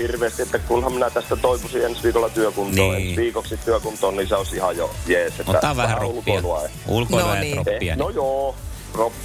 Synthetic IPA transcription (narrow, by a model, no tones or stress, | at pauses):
hirʋeːst̪iet̪ːækunhɑmminæt̪æst̪æt̪oipusiensʋiːkolːɑt̪yøkunt̪oːensʋiːkokssit̪t̪yøkunt̪oːniseosihɑjo̰jeːset̪ːæ̰ɑʋæhæulkoilɑulkoɑonojoː | ropː